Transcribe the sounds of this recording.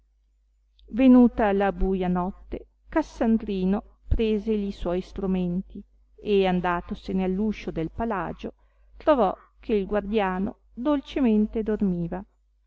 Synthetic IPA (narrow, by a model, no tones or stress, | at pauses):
venuːt̪alabuːjanɔt̪ːe | kasːand̪ɾiːno | pɾeːzeʎiswɔjst̪ɾument̪i | eand̪aːt̪osenealːuːʃod̪elpala̰ːd͡ʒo | t̪ɾovɔ | kʰeilɡward̪jaːno | d̪olt͡ʃement̪ed̪ormiːva